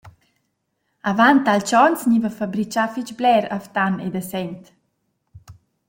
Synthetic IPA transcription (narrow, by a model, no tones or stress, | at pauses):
avant̪alt͡ʃɔnsɲivəfabɾit͡ʃafit͡ʃblɛɾaft̪anḛd̪asɛnt̪